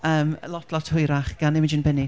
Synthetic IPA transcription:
əːməlɔtʰlˠɔtʰhʊjɾaχɡ̥anɪmɪd͡ʒɪnbɛni

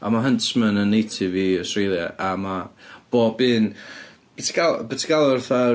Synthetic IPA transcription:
a̰maɦəntʰmənənːejtʰɪviɔstrejlˠja̰ʔamab̥oːbɨːn | b̥ɪtʰi̥ɡalˠbətʰiɡalˠɔrθa

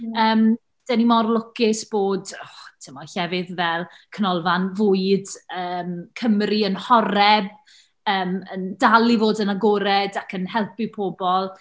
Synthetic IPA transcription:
əːm | d̥ɛnimɔrlˠʊkɪsb̥oːdɔtʰɪmɔɬɛvɪðvɛlˠ | kʰənɔlˠvanvʊɨdəːmkʰəmriənhɔɾɛb̚ | əːməndalˠivoːdənaɡoɾɛdakʰənhɛlˠpɪpʰobɔlˠ

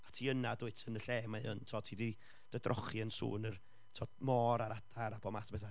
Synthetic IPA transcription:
atʰiːənadʊɨtʰənəɬɛːmaəntʰɔtʰiːdi | d̥ədrʔɔ̰χiənsṵːnər | tʰɔmɔːɾaɾad̥aɾapʰɔmasʰbɛθa

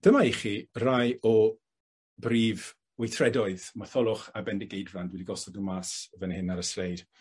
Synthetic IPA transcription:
d̥əmaiχirajɔ | briːv | wejtʰrɛdɔɨðmaθɔlˠʊχabɛndɪɡejdvandwɛdiɡɔsɔɡnəmaːsvɛnhɪnaɾəsrejd̥

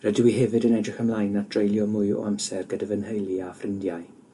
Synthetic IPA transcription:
rədɪwiɦɛvɨdənɛdrɪχamlˠaːjnad̥rejlˠjɔmʊɨɔ̰amsɛrɡədəvənhəjlˠiafrɪndjaj

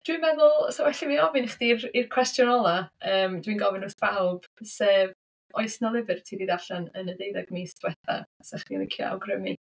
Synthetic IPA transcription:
d̥winmɛðʊlˠsowɛɬimiɔvɨnɪχd̥irirkʰw̥ɛstjɔnɔlˠaəːmd̥winɡɔvɪnʊsv̥awˠb̥seːv | ɔɨsnɔlˠɪvɨrtʰiːdiðaɬanənədejðaɡmiswɛθa̰asɛχdilˠɪkʰja̰wɡrəmi

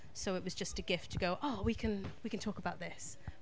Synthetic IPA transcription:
soʊɪʔwɒzd͡ʒʌstəɡɪftʰəɡoʊʔɑwikʰə̃nwikə̃ntʰɔˑkəbaʊʔ̪̚ðɪs

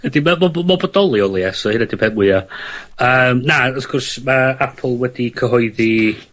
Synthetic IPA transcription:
ədimamɔbmɔbɔdɔlˠiɔlˠiɛsɔhɨnɛdipʰɛmwɪaəːmnaɔfkʰʊrsmaapʰlˠwɛdikʰəɦɔɨði

